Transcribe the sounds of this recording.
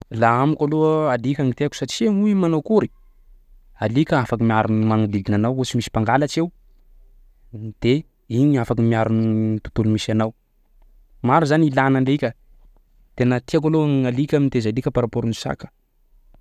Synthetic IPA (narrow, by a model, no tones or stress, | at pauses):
laamikʲaloalikʲaŋit̪eaku̥saʈ͡ʂiaŋuimanokuɾi̥ | alikʲəafakəmiaɾunmaŋuliɡinanawot͡ʃimisi̥paŋɡalat͡ʃew | d̪̥e | iɲiafakəmiaɾunt̪u̥t̪ulumisanaw | maɾuzanilanaɳɖ͡ʐeikʲə | t̪enət̪iak̬aloŋalikʲamint̪ezalikʲəpaɾapoɾuni̥sa̰kə̥